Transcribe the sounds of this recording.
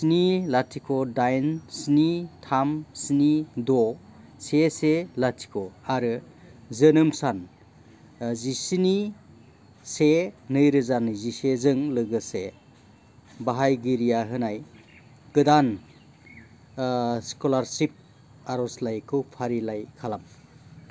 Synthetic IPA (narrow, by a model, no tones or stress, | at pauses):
snilatʰikʰɔdajnsnitʰamsinidɔ | seselatʰi̥kʰoaɾɯ | zɯnɯmsan | zisini | senɯjɾɯzanɯzisezɯŋlɯɡɯse | baɦajɡiɾijaɦɯnaj | ɡ̥ɯdan | skolaɾsip̚ | aɾɔslajkʰɯwpʰaɾilajkʰalam